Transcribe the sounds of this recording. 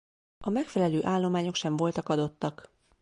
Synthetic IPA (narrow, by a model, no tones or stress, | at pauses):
ɒmɛkfɛlɛløːʔaːlːo̞maːɲo̞kʃɛɱvo̞lt̪ɒkɒd̪o̞t̪ːɒk